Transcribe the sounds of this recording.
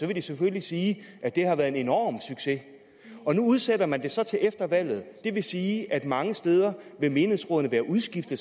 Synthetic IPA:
sɒ̽ʋe̝d̥iseføllisiːʔæd̥e̝hɑ̈ʋæːɐðˠene̝nɒ̰ːmsyɡ̥se̝ | ɒ̽nuuð̞ˠseɾɐmænd̥e̝sɒ̽t͡sʰe̝lʔefd̥ɐʋæl̰ð̞̩ˠd̥e̝ʋe̝siːʔæd̥mɑ̈ŋəsd̥eːð̞ˠɐʋe̝me̝ːnesʁɔðˠn̩əʋæːɐʔuðˠsɡ̥ifd̥ə

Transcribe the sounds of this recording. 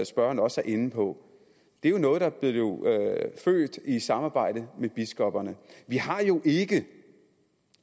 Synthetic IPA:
sb̥ɶɐnɒ̽sæɐʔe̝n̩pʰɒ̽ | d̥e̝æɐjo̝nɔ̽ːð̩ˠd̥ɑ̈b̥le̝o̝fø̰ːd̥isɑ̈mɑ̈ːb̥ɑ̈ɪ̰d̥əmeb̥isɡ̥ɒ̽b̥ɐnəʋihɑ̈jo̝ʔe̝ɡ̥ə

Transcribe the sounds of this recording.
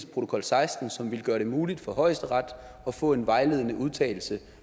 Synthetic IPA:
spʰʁo̝t͡sʰo̝kʰɒ̽lsɑ̈ɪsd̥n̩sɒ̽mʋe̝lɡ̥ɶːɐɾe̝muːlid̥fɒ̽ɦɒ̽ɪ̰sd̥əʁɑ̈d̥ | ɒ̽fɔ̰̽ːe̝nʋɑ̈ɪle̝ːð̞ˠnəʔuðˠt͡sʰɛ̰ːɪl̩sə

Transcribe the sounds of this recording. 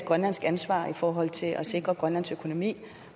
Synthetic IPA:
ɡ̥ʁɶnlæn̰sɡ̥ænsʋɑ̰̈ːifɒːɦɒ̽l̰t͡sʰe̝lʔɒse̝ɡ̥ʁɐɡ̥ʁɶnlænsøkʰo̝no̝mḭː

